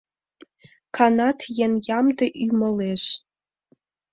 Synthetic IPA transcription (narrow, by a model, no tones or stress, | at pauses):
kʰɑnɑt̪jenjɑmd̪əʔyməleʃ